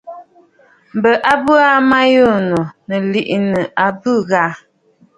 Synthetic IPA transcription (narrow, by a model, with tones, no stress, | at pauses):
m̩˨bə˨ʔa˦bə˦a˦ma˦jo˦˨no˨nə˨li˦˨ʔnə˨a˨bɨ˦˨ɣa˦